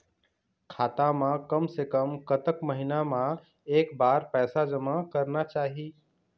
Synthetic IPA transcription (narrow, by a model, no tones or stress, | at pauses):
kʰaːt̪amãkəmsekəmkət̪əkməɦinamã | eːkbaːɾpɛːsad͡ʒəmakəɾnat͡ʃaːɦi